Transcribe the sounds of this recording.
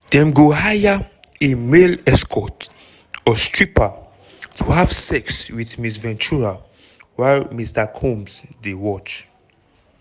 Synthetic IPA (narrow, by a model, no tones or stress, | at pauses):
d̥ɛ̃mɡohaja | emelɛskʰɔt | ɔstɹipa | tʰuhav̥sɛkswiθmisvɛ̃nt͡ʃuɹa | walmistakʰɔ̃msdewɔt͡ʃ